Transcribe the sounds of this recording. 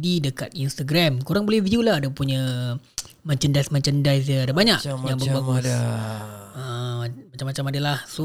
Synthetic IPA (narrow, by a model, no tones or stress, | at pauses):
didəkat̪̚inst̪aɡɾamkuɾaŋbolɛhvidiulaadapuɲə | mãt͡ʃəndajsmãt͡ʃəndajsd͡ʒəadabaɲakjaŋbərbaɡus | əmat͡ʃamːat͡ʃamadalahso